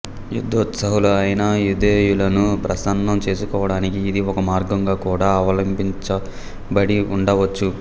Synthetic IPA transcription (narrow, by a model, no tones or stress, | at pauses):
jṵd̪ːoːt̪sɐɦuluɐjɐnɐjud̪eːjulɐnupɾɐsɐnd̪ɐmt͡ʃe̞ːsukɔːʋɐɽaːnikiːd̪iɔkɐmaːɾɡɐŋɡaːkuːɽaːɐʋɐlɐmbiɲt͡ʃɐ | bɐɽiuɳɖɐʋɐt͡ʃːu